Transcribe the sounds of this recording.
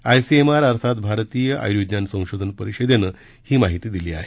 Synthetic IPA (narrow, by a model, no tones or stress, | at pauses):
ajsiemaɾaɾt̪ʰat̪bʱaɾt̪iːjəʔa̰jud̪njansə̃w̃ɕod̪ʱənpəɾiɕed̪enə | hiːmaɦit̪iːd̪iliːa̰ɦe